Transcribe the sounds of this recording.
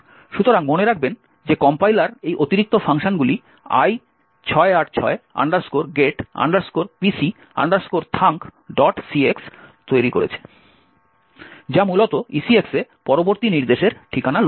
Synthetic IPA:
ʃut̪oɾaŋmoneɾakʰben | d͡ʑekɔmpajlaɾejʔot̪iɾik̚t̪ofʰaŋʃonɡuli | a̰j | t͡ɕʰɔeaʈt͡ɕʰɔea̰ɳɖaɾskoɾɡeʈa̰ɳɖaɾskoɾpisi | a̰ɳɖaɾskoɾt̪ʰaŋkɖɔʈsiekst̪ojɾikoɾḛt͡ɕʰe̥ | d͡ʑamulot̪oisieksepɔɾoboɾt̪iniɾd̪eʃeɾʈʰikanal

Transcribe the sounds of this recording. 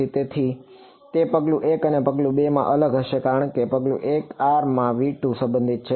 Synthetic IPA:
it̪et̪ʰi | t̪epəɡlũʔekənepəɡlũɓemã̰ʔələɡəʃekaɾəɳ̃kepəɡlṵ̃ʔekaɾmãʋiʈũsə̃mbənd̪ʱit̪̚t͡ʃʰe

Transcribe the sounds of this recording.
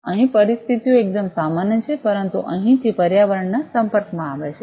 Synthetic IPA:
ə̃ɦĩpəɾist̪ʰit̪ijõek̚d̪əmsamanjət͡ʃʰepəɾənt̪ṵʔə̃ɦĩt̪ʰipəɾjaʋəɾɳəsəmpəɾkmãaʋeʃʰe

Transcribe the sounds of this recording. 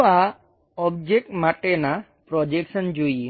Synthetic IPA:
a | ɔb̚d͡ʒek̚ʈmaʈena | pɾɔd͡ʒeksənd͡ʒui

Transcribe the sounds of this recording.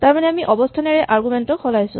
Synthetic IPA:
taɹmanɛamiʔɔbɔstʰanɛɹɛʔʔaɹɡumɛntɔkʰɔlajsʊ̰̃

